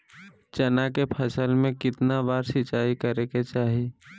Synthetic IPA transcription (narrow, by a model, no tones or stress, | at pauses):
t͡ʃɐnakepʰɐsəlmẽkɪt̪nabaːɾsɪt͡ʃaːikəɾeket͡ʃaːɦi